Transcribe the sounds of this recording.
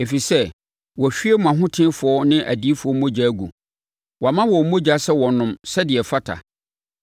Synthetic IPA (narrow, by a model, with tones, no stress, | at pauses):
e˨fi˨sɛ˦ | wɔ˨ɕᶣi˦e˦m˨ã˨ɦʊ̃˦tʰɪ̃˦fʊ˨ɔ˦nɪ̃˦ʔæ̰˨di˦fʊ˨ɔ˦mõ˦d͡ʑa˨˦ɡṵ˨ | wɔ˨a˨mã˦wɔ˨˦mõ˦d͡ʑa˨˦sɛ˦wɔ̃˨nʊ̃˦msɛ˦dɪ˨ɛ˨fa˦tʰa̰˨